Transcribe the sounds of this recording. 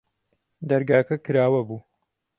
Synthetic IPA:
d̪ɐɾɡaːkɐkɨɾaːwɐbuː

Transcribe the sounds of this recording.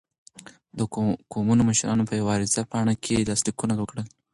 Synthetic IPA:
d̪əkomunoməʃɾɑnopʰəjawɑɾɪzapɑɽ̃akʰelastikunaɡwəkɽəl

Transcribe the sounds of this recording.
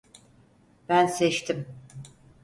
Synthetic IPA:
b̥ænsɛt͡ʃt̪ʰim

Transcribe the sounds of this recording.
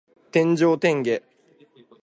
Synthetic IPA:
t̪ẽ̞ɲ̟d͡ʑo̞ːt̪ẽ̞ŋɡe̞

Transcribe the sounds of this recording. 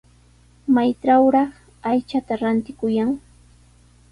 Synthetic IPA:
majʈ͡ʂawɾɑχ | ajt͡ʃat̪aɾant̪ɪkʊjaŋ

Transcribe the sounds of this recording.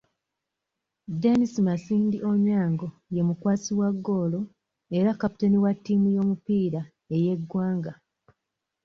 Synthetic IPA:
denisimasiːndiʔo̞ɲaːŋɡo̞ | je̞mukwaːsiwaɡːoːlo̞ | e̞ɾakapu̥teniwatːiːmujo̞ːmupiːɾa | e̞je̞ɡːwaːŋɡa

